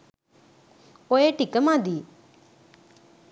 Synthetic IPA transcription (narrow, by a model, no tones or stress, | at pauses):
oeʈikəmãːd̪iː